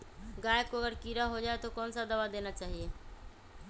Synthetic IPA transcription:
ɡaːjekoəɡəɾkiːɾaɦod͡ʒaːet̪okɔːnsad̪ɐʋad̪eːnat͡ʃaːɦieː

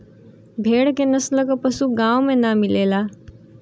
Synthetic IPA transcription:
bʱeːɽkenəsləkəpəsuɡãwmẽnamilela

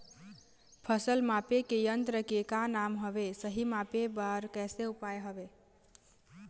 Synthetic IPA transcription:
pʰəsəlmapekejənt̪ɾəkekanamɦəbesəɦimapebaɾkɛseupajɦəbe

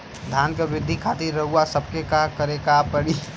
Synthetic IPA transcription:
d̪ʱaːnkeɾɪd̪ʱːikʰaːt̪iɾːɐɦuasəbkekakəɾekapəɽi

